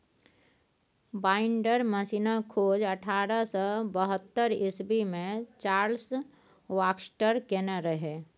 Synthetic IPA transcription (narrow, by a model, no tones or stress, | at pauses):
baːɪɳɖəɾməsinakʰoːd͡ʒəʈʰaːɾəsɔbəɦət̪ːəɾɪsbimẽt͡ʃaːɾls | ʋaːksʈəɾkenəɾəɦe